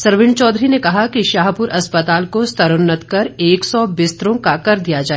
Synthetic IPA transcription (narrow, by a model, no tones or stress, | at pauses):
sɐɾʋɪ̃ɳɖt͡ʃɔːd̪ɾinekɐɦakiʃaːɦpʊɾɐspət̪aːlkost̪ʰɐɾʊnːət̪kɐɾeːksɔbɪst̪ɾõkakɐɾd̪ijad͡ʒaːe